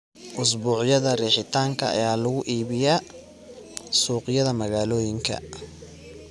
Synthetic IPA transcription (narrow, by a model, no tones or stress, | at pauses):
ʔʊs̬buːʕjɐðɐrɛːħɪt̪ʰaːŋkʰɐ̰ɐ̰jaːlɐɣʊʔiːβɪjaː | suːqjɐðɐmɐɣaːlɔːjɪŋkʰɐ̰